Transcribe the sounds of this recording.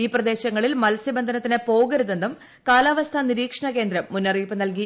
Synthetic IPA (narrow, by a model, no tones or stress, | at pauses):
iːprɐd̪e̞ːɕɐŋːɐɭilmɐlɐsibɐnd̪ʱɐnɐt̪ːinepo̞ːɡɐɾuðend̪um | kaːlaːʋɐst̪ʰɐniɾiːkʂɐɳɐke̞ːnd̪ɾɐmːunːɐriːpːɨnɐlk̬i